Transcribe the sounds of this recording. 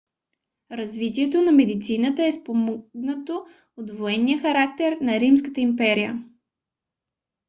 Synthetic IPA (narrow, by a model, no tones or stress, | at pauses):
ɾɐzvit̪iɛt̪̬onɐmɛd̪it̪sinət̪əɛspomɔɡnət̪o | od̪voɛnːijəxɐɾak̚t̪ɛɾnɐɾimskət̪əimpɛɾijə